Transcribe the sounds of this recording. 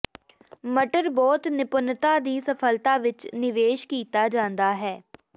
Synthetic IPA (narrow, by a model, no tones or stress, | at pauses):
məʈəɾbɔːt̪nɪpʊnt̪aːd̪iːsəpʰəlt̪aːʋɪt͡ʃnɪʋeːʃkiːt̪aːd͡ʒãːnd̪aːɦɛː